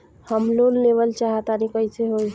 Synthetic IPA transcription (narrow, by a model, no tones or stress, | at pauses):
həmlonːeʋəlt͡ʃaɦət̪anikəiseɦoj